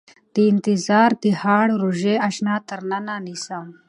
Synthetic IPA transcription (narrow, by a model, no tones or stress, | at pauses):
d̪̥iint̪izaːɾd̪ihaːɽɾuʒeɐʃnaːt̪ɐɾnananisam